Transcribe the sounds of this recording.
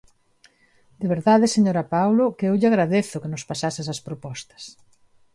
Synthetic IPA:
d̪eβ̞eɾðaðɪseɲoɾapawlokɪewʎɪaɣɾaðeθʊkɪnʊspasasɪsɐspɾopɔst̪ɐ̥s

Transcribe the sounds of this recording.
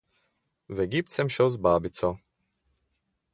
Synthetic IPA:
vɛɡip̚t͡sɛmʃowzbaːbit͡sɔ

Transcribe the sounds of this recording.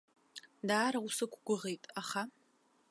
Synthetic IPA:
daːɾɐʊsɨkʷʰʼɡʷʊʁejtʼaχa

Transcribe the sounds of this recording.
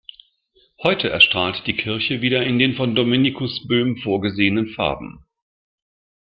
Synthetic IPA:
hɔʏtʰəʔɛɐʃtʁ̥aːltd̥iːkʰɪɐçəviːdɐɪndeːnfɔndomenikʰʊsb̥øːmfoːɐɡəzeːənənfa̰ɐbm̩

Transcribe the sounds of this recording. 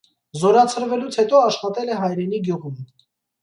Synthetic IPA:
zɔɾɑt͡sʰəɾvɛlut͡sʰhɛt̪ɔɑʃχɑt̪ɛlɛɦɑjɾɛniɡjuʁum

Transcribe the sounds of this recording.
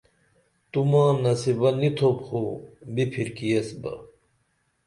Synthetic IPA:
t̪umãːnɐsibɐnit̪ʰopχobipʰiɾkijesbɐ̰

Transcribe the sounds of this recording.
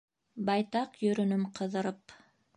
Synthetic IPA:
bɑjt̪ɑqjɵ̆ɾɵ̆nɵmqʰɤ̆ðɤ̆ɾɤp

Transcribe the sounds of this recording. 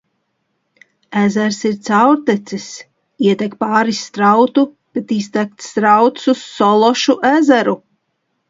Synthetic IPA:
æzæɾsiɾt̪sawɾt̪ɛt̪sis | iɛt̪ʲɛkpaːɾist̪ɾawt̪u | b̥et̪ist̪ɛk̚t̪st̪ɾawt̪susːɔlˠɔʃuʔæzæɾu

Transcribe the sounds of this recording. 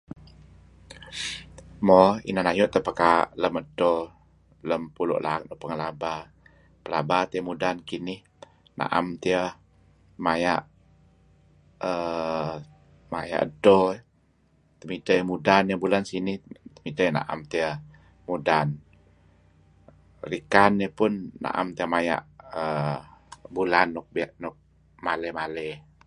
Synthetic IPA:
mɔḭnanajʊʔt̪əpəkaʔləmədo | ləmpulʊ̰ʔlaak̚nɔpəŋəlaba | pəlabat̪iəmudankinɪh | na̰ʔa̰mt̪iə | majaʔ | ə | maja̰ʔədo | t̪əmit̪əjəmudanjəbulansiniht̪əmit̪əjna̰ʔa̰mt̪iə | mudan | rikanəpʊnːa̰ʔa̰mt̪iəmaja̰ʔə | bulanːʊk̚bʔnʊk̚ | maləhmalə

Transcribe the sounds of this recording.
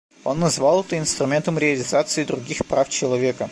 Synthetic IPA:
o̞nːɐzvalˠɛt̪əɪnst̪ɾʊmʲe̞nt̪əmɾʲɪɐlʲɪzat̪sɨɪd̪ɾʊɡʲixpɾaft͡ɕɪlˠɐvʲe̞kə

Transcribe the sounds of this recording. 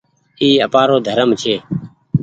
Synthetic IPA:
iːəpaːɾoːd̪ʱəɾəmt͡ʃʰeː

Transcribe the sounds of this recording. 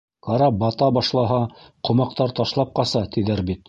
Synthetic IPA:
kɑɾɑbɑt̪ɑbɑʃlˠɑɦɑqŏmɑq̚t̪ɑɾt̪ɑʃlˠɑp̚qɑsɑt̪iðæɾbit̪̚

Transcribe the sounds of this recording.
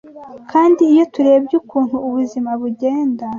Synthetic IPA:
kʰaːndiːjo̞tuɾe̞ːbɟukuːn̥huːβuzimaβuɟe̞ːnda

